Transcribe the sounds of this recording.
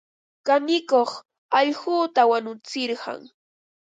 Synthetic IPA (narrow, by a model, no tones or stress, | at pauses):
kamɪkoχ | ɑʎɢʊːt̪awanʊt͡sɪɾɢɑ̰ŋ